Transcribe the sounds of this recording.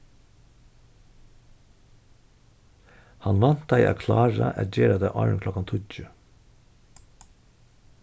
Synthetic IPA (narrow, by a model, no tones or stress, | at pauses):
hɑnʋɑnt̪̚d̪æɪʔɑ̰ːkʰlɑːɹə̰ʔɛt̪d͡ʒeːɾəd̪æɪʔɑ̰ːənkʰlɔkɑnt̪ʰʊc͡çʉː